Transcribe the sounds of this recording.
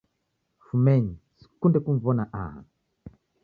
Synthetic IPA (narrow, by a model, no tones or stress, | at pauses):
fumɛɲisi̥kundɛkuɱvɔnaʔa̰ɦa̰